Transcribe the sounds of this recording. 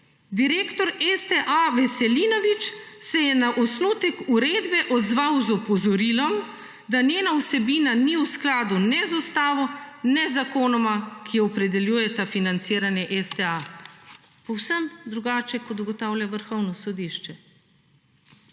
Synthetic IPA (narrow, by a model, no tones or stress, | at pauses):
d̪iɾeːkt̪ɔɾɛst̪ɛʔaʋɛsɛliːnɔʋit͡ʃsɛjɛnaʔɔsnuːt̪ɛkuɾeːd̪bɛʔɔd̪zʋawzɔpɔzɔɾiːlɔm | d̪anʲeːnawsɛbiːnaniwsklaːd̪unɛzɔst̪aːʋɔnɛzakoːnɔmakʰijɔɔpɾɛd̪ɛljuːjɛt̪afinant̪siːɾanjɛʔɛst̪ɛa | pɔwsəmd̪ɾuɡaːt͡ʃɛkɔd̪ɔɡɔt̪aːwlʲjaʋəɾxɔwnɔsɔd̪iʃt͡ʃɛ